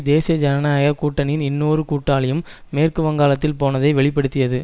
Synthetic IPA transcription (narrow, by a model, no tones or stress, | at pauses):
d̪eːsɪjɐd͡ʒɐnɐnaːjɐkuːʈːɐnɪnɪnːoːrɯkuːʈːaːlɪjɯmːeːrkɯʋɐŋɡaːlɐt̪ːɪlpoːnɐðɐɪʋɛɭɪpːɐɽɯt̪ːɪjɐðɯ